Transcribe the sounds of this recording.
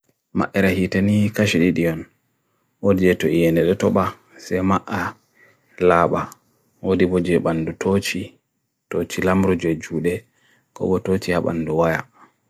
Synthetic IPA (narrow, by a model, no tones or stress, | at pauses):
ma̰ʔɛɾahitanikaʃiɗiɗijɔn | odid͡ʒɛtɔijɛndɛɗɛtɔɓa | sɛmaʔa | laːɓa | wodibɔd͡ʒɛɓandutʰot͡ʃi | tot͡ʃilamɾud͡ʒɔd͡ʒuːɗɛ | kɔ̰bɔtot͡ʃihaɓa̰nːduwaja